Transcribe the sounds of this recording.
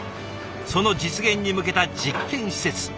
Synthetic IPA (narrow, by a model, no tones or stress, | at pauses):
so̞no̞d͡ʑit͡sɨɡẽ̞ɲ̟ʲːimɯ̟ke̞t̪ad͡ʑikːẽ̞ɰ̃ɕi̥se̞t͡sɨ̥